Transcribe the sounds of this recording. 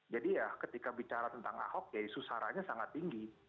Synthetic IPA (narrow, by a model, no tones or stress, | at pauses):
d͡ʒadijakət̪ikabit͡ʃaɾat̪ənt̪aŋa̰hɔk̚jadisusaɾaɲasaŋat̪ːiŋɡi